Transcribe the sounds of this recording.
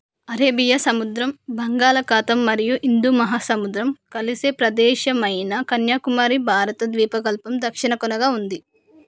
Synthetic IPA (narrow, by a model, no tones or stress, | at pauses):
ɐɾeːbijɐsɐmud̪ɾɐmbʱɐŋɡaːlɐkaːt̪ɐmːɐɾijuʔind̪umɐɦaːsɐmud̪ɾɐmkɐlisepɾɐd̪ɛːʃɐmɐjnɐkɐnjaːkumaːɾibʱaːɾɐt̪ɐd̪ʋiːpɐɡɐlpɐmd̪ɐkʂiɳɐkunɐɡaːund̪i